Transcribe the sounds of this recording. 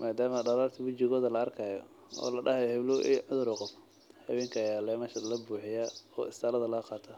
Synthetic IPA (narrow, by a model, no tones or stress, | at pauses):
maːd̪aːmɐɖɐɾaːrt̪ʰɪwʊt͡ʃɪɣɔːðɐlɐɐrkʰɐjɔ̰ | ɔ̰ːlɐɖɐhɐjɔhɪβlʊʔɛ̰ʕʊðʊɾɔqɔf | hɐwɛːŋkʰɐjaːlɛːmɐʃɐlɐbuːħɪjaːɔ̰ːɪst̪ʰaːlɐðɐlɐɐqɑːt̪ʰa